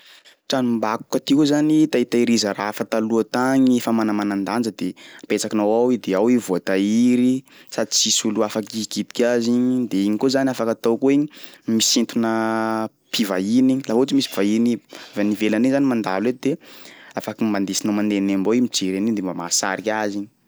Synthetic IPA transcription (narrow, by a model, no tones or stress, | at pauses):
ʈ͡ʂanumbaku̥kət̪ikozanit̪ait̪aiɾizərafat̪aluət̪aŋifamanamanand̪and͡ʒəd̪eapet͡sakinawawid̪eawivoat̪aiɾi | sad̪it͡sisuluafakikit̪i̥kʲaziɲid̪eiɲikozaniafakat̪awkoiɲimisint̪unə | pʰivainiɲilaɦut͡ʃimisiv̥ainivanivelanezanimand̪a̰led̪eafakimband̪isinawmand̪enemboimit͡seɾenid̪embama̰sa̰ɾikʲaziɲi